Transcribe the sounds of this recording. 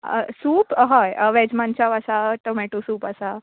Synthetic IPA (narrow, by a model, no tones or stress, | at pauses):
ə̰suːpɦɔjʋɛd͡ʑmãnt͡ɕaʋasaʈomeʈusuːpəsa